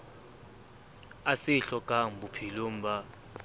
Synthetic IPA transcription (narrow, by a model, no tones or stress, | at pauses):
asɪɬɔkʼam̩bupʰilom̩ba